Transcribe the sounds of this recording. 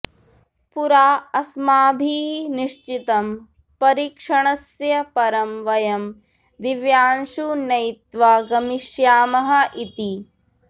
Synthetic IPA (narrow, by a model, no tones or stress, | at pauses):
puɾaːɐsmaːbʱiːniʂt͡ʃit̪ɐm | pɐɾiːkʂɐɳɐsjɐpɐɾɐmʋɐjɐm | d̪iʋjaːnʃunɐjt̪ʋaɡɐmiʃjaːmɐɦɐʔit̪i